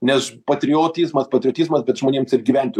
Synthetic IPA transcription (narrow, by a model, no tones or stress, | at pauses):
nʲɛspɐt̪ʲɾʲɪoːt̪ʲizmɐspɐt̪ʲɾʲɪoːt̪ʲizmɐsbʲɛt̪ʒmoːnʲiːmsɪrɡʲiːʋʲænʲt̪ʲo